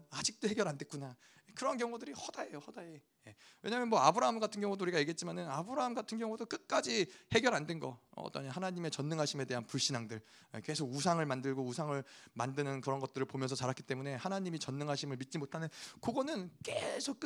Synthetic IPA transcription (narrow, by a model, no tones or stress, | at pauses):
ad͡ʑik̚t͈oheɡjʌɾandwek͈una | ekɯɾʌnkjʌŋudɯɾihʌdae̞johʌdae | je̞ | we̞ɲaːmjʌnmwʌabɯɾaɦamɡatʰɯnɡjʌŋudouɾiɡajeɡe̞t̚t͡ɕ͈imanɯnabɯɾaɦamɡatʰɯnɡjʌŋudok͈ɯk̚k͈ad͡ʑihe̞ɡjʌɾandwe̞nɡʌʌ̰t͈ʌnihanaɲime̞t͡ɕʌnːɯŋɦaɕʰime̞de̞ɦanpuɭɕ͈inaŋdɯɭ | eke̞sʰoɡusʰaŋɯɭmandɯɭɡousʰaŋɯɭmandɯnɯnkɯɾʌnɡʌt̚t͈ɯɾɯɭpomjʌnsʰʌt͡ɕaɾak͈it͈e̞mune̞hanaɲimit͡ɕʌnːɯŋɦaɕʰimɯɭmit̚t͡ɕ͈imotʰanɯnkoɡʌnɯnk͈esʰok̚k͈